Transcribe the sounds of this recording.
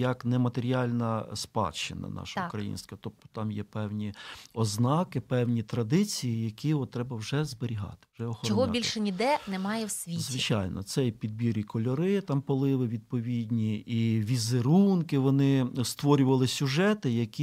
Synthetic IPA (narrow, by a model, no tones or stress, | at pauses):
jɐknɛmɐt̪eɾʲiɑlʲnɐspɑ̰t͡ʃːɪ̰nɐ̰nɑ̰ʃɐukɾɐjḭnsʲt̪kɐt̪ɔp̚t̪ʊ̥t̪ɑmjɛpɛwnʲiɔznɑkɪpɛwnʲit̪ɾɐd̪ɪt͡sʲijijɐkʲiɔt̪ːɾɛbɐwʒɛzbeɾʲiɦɑ̰t̪ɪ̥ʒɛɔxɔɔɔɦɔbilʲʃɛnʲid̪ɛnɛmɑjɛwsʲʋʲizʋɪt͡ʃɑjnɔ̰t̪sɛjpʲid̪̚bʲiɾikʰɔlʲɔɾɪt̪ɑmpɔlˠɪʋɪʋʲid̪̚pɔʋʲid̪ʲnʲiiʋʲizeɾunkɪʋɔnɪst̪ʋɔɾʲʊʋɐlˠɪsʲʊʒɛt̪ɪjɐkʲi